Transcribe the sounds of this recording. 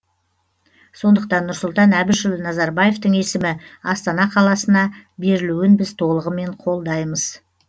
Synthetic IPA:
so̞nd̪əq̚t̪ɑnːʊɾsʊlˠt̪ɑnæbɪʃɪlˠnɑzɑɾbɑje̞ft̪əɴe̞sɪmɪɑst̪ɑnɑqʰɑlˠɑsənɑbe̞ɾɪluɪnbɪzt̪ʰo̞lˠəʁəme̞ɴqʰo̞lˠd̪ɑjməz̥

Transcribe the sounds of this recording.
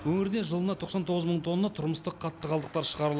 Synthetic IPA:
wɵŋɪɾɪd̪eʒəlˠənɑt̪ʰo̞qsɑnt̪ʰo̞ʁəzməɴt̪ʰo̞nːət̪ʰʊɾməst̪əqʰːɑtt̪ːəʁɑlˠd̪əq̚t̪ɑɾʃəʁɑɾəlˠ

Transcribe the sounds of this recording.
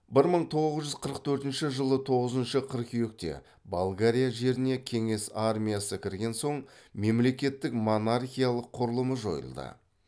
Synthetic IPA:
bɪɾməɴt̪ʰo̞ʁəzʒʏzqʰəɾəq̚t̪ʰɵɾt̪ɪnʃɪʒəlˠət̪ʰo̞ʁəzənʃəqʰəɾqʲʰijek̚t̪e̞̰ | balˠɡaɾʲijaʒe̞ɾɪne̞kʲʰe̞ŋe̞sarmʲijasəkʲʰɪɾɡʲe̞nso̞ɴme̞mle̞kʲe̞t̪ːɪkmonarχʲijalˠəqʰːʊɾlˠəməʒo̞̰jə̰lˠd̪ə̰

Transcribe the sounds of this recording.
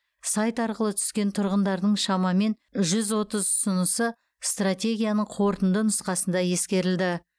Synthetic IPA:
sɑjt̪ɑɾqəlˠət̪ʰʏ̥skʲe̞nt̪ʰʊɾʁənd̪ɑɾd̪əɴʃɑmɑme̞n | ʒʏzwo̞t̪əzʊsənəsə | st̪rat̪ʲe̞ɡʲijanəɴqʰo̞ɾt̪ənd̪ənʊsqɑsənd̪ɑje̞skʲe̞ɾɪld̪ɪ

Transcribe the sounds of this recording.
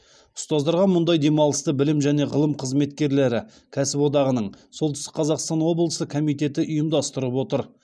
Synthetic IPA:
ʊ̥st̪ɑzd̪ɑɾʁɑmʊnd̪ɑjd̪e̞mɑlˠəst̪əbɪlɪmʒæne̞ʁəlˠəmqʰəzme̞t̪kʲe̞ɾle̞ɾɪ | kʲʰæsɪpwo̞d̪ɑʁənəɴsolˠʏɪst̪ɪ̥qʰɑzɑqst̪ɑnwo̞blˠəsəkʰo̞mijt̪e̞t̪ɪʔʊjəmd̪ɑst̪əɾəpwo̞t̪əɾ

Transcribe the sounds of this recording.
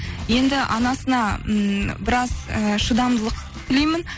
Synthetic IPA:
je̞nd̪ɪʔɑnɑsənɑ | bɪɾɑzəʃəd̪ɑmd̪əlˠəq | t̪ʰɪlejmɪn

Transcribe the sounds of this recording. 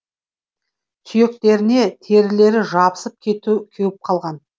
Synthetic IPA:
t̪ʰʏje̞k̚t̪e̞ɾɪne̞t̪ʰe̞ɾɪle̞ɾɪʒɑbəsəp̚kʲʰet̪kʲʰewɪp̚qʰɑlˠʁɑn

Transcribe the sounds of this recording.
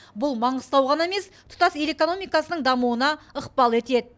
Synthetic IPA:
bʊlˠmɑɴəst̪ɑwʁɑne̞me̞st̪ʰʊ̥t̪ɑseɾe̞ko̞no̞mijkɑsənəɴd̪ɑmuwənɑəqpɑlˠe̞t̪e̞d̪ɪ

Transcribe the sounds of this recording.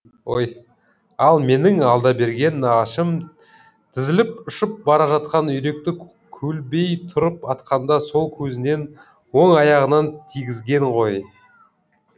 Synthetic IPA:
oj | ɑlˠme̞nɪŋɑlˠd̪ɑbe̞ɾɡʲe̞nːɑʁɑʃəm | t̪ʰɪzɪlɪpʊʃɪp̚bɑɾɑʒɑt̪̚qɑnʏjɾe̞k̚t̪ɪ | kʲʰɵlbe̞jt̪ʰʊɾəpɑt̪qɑnd̪ɑso̞lˠkʲʰɵzɪne̞n | wo̞ŋɑjɑʁənɑnt̪ʰijɡʲɪzɡʲe̞ŋʁo̞j

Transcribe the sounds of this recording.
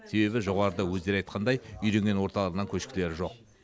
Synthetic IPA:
se̞be̞bɪʒo̞ʁɑɾəd̪əwɵzd̪e̞ɾɑjt̪̚qʰɑnd̪ɑjʏjɾe̞ŋɡʲe̞nwo̞ɾt̪ɑlˠɑɾənəŋkʲʰɵʃkʲɪle̞ɾɪʒo̞q̚

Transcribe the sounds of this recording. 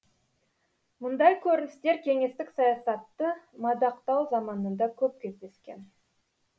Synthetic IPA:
mʊnd̪ɑjkʲʰɵɾɪnɪst̪e̞ɾkʲʰe̞ŋe̞st̪ɪksɑjɑsɑt̪ːəmɑd̪ɑqt̪ɑwzɑmɑnənd̪ɑkʲʰɵp̚kʲʰe̞zd̪e̞skʲe̞̰n

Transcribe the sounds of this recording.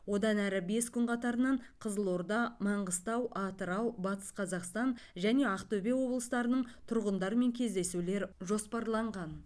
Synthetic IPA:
wo̞d̪ɑnæɾɪbe̞skʲʰʏnqʰɑt̪ɑɾənɑɴqʰəzəlˠoɾd̪ɑmɑɴʁəst̪ɑwʔɑt̪əɾɑwbɑt̪ə̥sqʰɑzɑqst̪ɑnʒæne̞ɑqt̪ɵbewo̞blˠəst̪ɑɾənəɴt̪ʰʊɾʁənd̪ɑɾme̞ŋkʲʰe̞zd̪e̞sule̞ɾʒo̞spɑɾlˠɑɴʁɑn

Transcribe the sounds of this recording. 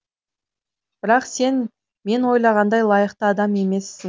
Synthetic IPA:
b̥ɪɾɑqse̞n | me̞nwo̞jlˠɑʁɑnd̪ɑjlˠɑjəqt̪əɑd̪ɑme̞me̞sːɪŋ

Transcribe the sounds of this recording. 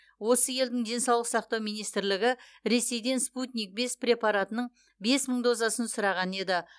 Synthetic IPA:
wo̞səje̞ld̪ɪŋd̪e̞nsɑwlˠəqsɑq̚t̪ɑwmijnijst̪ɪɾlɪɡʲɪ | ɾe̞se̞jd̪e̞nsput̪nʲijk̚be̞sprʲe̞pɑɾat̪ənəɴ | be̞sməɴd̪o̞zɑsənsʊɾɑʁɑne̞d̪ɪ

